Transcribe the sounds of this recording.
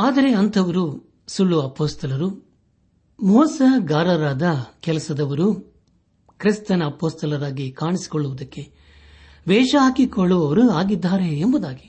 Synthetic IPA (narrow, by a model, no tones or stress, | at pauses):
aːd̪ɐɾe̞ɐnt̪ʰɐʋɐɾu | suɭːuɐpoːst̪ʰɐlɐɾu | mɔːsɐɡaːɾɐɾaːd̪ɐkɛlɐsɐd̪ɐʋɐɾu | kɾist̪ɐnɐːpoːst̪ʰɐlɐɾaːɡikaːɳisi̥kɔɭːuʋud̪ɐkːe̞ | ʋɛːʂɐɦaːkikoɭːuɐʋɐɾuaːɡid̪ːaːɾe̞ːmbud̪aːɡi